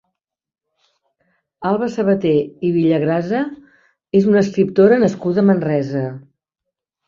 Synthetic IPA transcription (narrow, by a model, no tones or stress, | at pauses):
alˠβəsəβət̪eiβiʎəɣɾazə | ezunəskɾip̚t̪oɾənəskuðəmənrɛzə